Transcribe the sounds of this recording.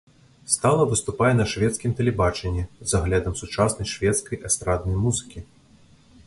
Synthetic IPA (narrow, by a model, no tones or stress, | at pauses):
st̪alˠɐvɨst̪upajɛnɐʂvʲɛt̪skʲimt̪ɛlʲɛbat͡ʂɛnʲːizaɣlʲad̪ɐmsut͡ʂasnɐjʂvʲɛt̪skɐjʔast̪ɾad̪̚nɐjmuzɨkʲi